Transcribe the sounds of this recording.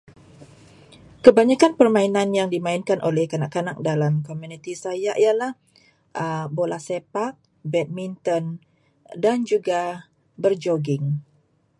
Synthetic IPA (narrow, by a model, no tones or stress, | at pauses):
kəbaɲakanpərmãinanjaŋdimãinkanʔolɛhkanaʔkːanak̚dalamkomunit̪isajaʔialah | ʔəbolasepak̚ | bɛt̪̚mint̪ɔn | dand͡ʒuɡa | bərd͡ʒoɡɪŋ